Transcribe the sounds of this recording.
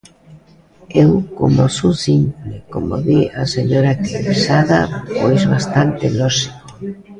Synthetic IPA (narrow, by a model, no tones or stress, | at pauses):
ewko̰mosusimpleko̰mo̰ðiaseɲoɾakiβisaðafojzβast̪ant̪elɔʃiko̥